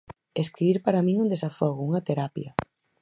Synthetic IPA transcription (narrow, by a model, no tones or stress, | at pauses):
eskɾiβiɾpaɾɐmĩŋund̪esafɔɣʊuŋɐt̪eɾapjɐ